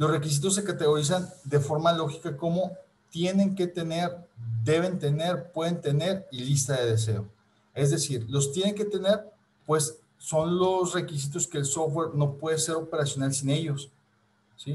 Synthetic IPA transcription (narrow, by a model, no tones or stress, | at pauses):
lo̞sre̞kis̬it̪o̞s̬ːe̞kat̪e̞ɣo̞ɾis̬and̪e̞fo̞ɾmalo̞xi̥kako̞mo̞ | t̪je̞ne̞ŋke̞t̪e̞ne̞ɾd̪e̞β̞e̞nt̪e̞ne̞ɾpwe̞ðe̞nt̪e̞ne̞ɾilist̪aðe̞ðe̞s̬e̞o | e̞zðe̞siɾlo̞st̪je̞ne̞ŋk̬e̞t̪e̞ne̞ɾ | pwe̞sː | o̞nlo̞sre̞kis̬it̪̬o̞ske̞ːlso̞fwe̞ɾno̞pwe̞ðe̞se̞ɾo̞pe̞ɾasjo̞nalsine̞ʝo̞s | si